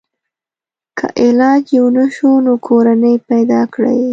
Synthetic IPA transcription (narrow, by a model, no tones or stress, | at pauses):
kʰə̰ʔɪlɑd͡ʒjewnaʃunokʰoɾanəjpajd̪ɑkɽə̰j